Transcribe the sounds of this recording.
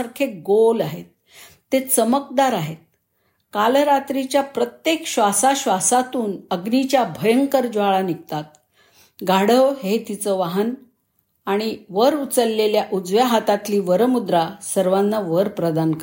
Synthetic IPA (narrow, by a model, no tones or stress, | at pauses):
əɾkʰeɡolaɦet̪̚ː | et͡səmək̚d̪aɾaɦet̪̚ | kaləɾat̪ɾit͡ɕjapɾət̪jekɕʋasaɕʋasat̪uːnəɡnit͡ɕjabʱəjəŋkəɾd͡ʑʋaɭanikt̪at̪̚ | ɡʱaɽəʋɦet̪it͡səʋaɦən | aɽ̃iʋəɾut͡səlːeljaʔud͡zʋjaɦat̪at̪liːʋəɾəmud̪ɾasəɾʋanːaʋəɾpɾəd̪ank